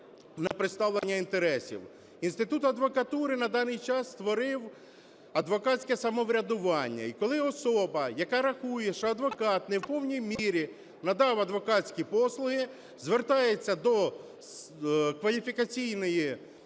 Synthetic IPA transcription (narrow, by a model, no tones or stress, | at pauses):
nɐpɾɪt̪st̪ɑʋlˠenʲːɐint̪eɾɛsʲḭw | inst̪ɪt̪ut̪ɐd̪ʋɔkɐt̪uɾɪnɐd̪ɑnɪjt͡ʃɑsːt̪ʋɔɾɪw | ɐd̪ʋɔkɑtt͡sʲkɛsɐmɔʋɾʲɐd̪ʊʋɑnʲːɐ̰ikɔlˠɪɔsɔbɐjɐkɑɾɐxujɛʃɔɐd̪ʋɔkɑt̪nɛwpɔwnʲijmʲiɾʲi | nɐd̪ɑwɐd̪ʋɔkɑt͡sʲkʲipɔslˠʊɦɪ | zʋert̪ɑjet͡sʲːɐd̪ɔ | kʋɐlʲifʲikɐt͡sʲijnɔji